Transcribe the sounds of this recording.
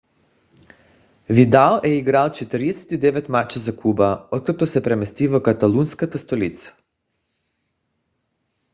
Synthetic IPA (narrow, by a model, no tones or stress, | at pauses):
vid̪alɛiɡɾalt͡ʃɛt̪əɾid̪ɛsɛ̥t̪id̪ɛʋɛt̪mat͡ʃazakʰubaɔt̪̚kat̪osɛpɾɛmɛst̪ivakat̪alunskat̪ast̪olit̪sḁ